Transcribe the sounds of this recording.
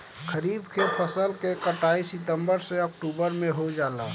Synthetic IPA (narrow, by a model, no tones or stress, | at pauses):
kʰəɾibkepʰəsəlkekəʈaisɪt̪əmbəɾsẽəkʈubəɾmẽɦod͡ʒala